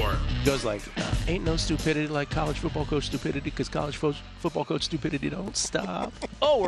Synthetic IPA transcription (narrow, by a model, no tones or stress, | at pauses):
ɡ̥oʊzlaɪkʌ̰ẽɪ̃nːoʊstʉpʰɪɾɨɾilaɪkʰːɑlˠəd̥ʒ̥fʊt̚b̥ɔlˠkʰoʊt͡ʃstʉpʰɪɾɨɾikʰʌz̥kʰɑ̰lˠəd̥ʒ̥foʊt͡ʃ | fʊt̚b̥ɔlˠkʰoʊt͡ʃstʉpʰɪɾɨɾidõʊ̃ntstɑ̰p̚oʊ